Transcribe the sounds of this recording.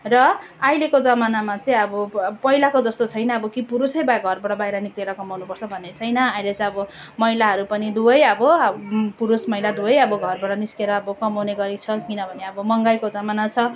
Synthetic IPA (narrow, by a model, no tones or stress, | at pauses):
rʌajlekod͡zʌmanamat͡sʌĩʌbʌpʌjlakod͡zʌst̪ot͡sʰʌjnʌʌbʌkipuɾusʌjbaɡʱʌrbaɽʌbajɾʌnikleɾʌkʌmawnupʌrt͡sʰʌbʱʌnːet͡sʰʌjnʌajlet͡sʌĩʌbʌ | mʌjlaɦʌɾupʌnid̪uʌjʌbʌpuɾusmʌjlad̪uʌjʌbʌɡʱʌrbaɽʌniskeɾʌːbʌkʌmawneɡʌɾit͡sʰʌkinʌbʱʌneʌbʌmʌŋɡajkod͡zʌmanat͡sʰʌ